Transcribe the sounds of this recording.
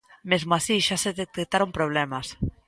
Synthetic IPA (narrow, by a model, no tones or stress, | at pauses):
mezmoasiʃaseðet̪ek̚t̪aɾompɾoβ̞lemas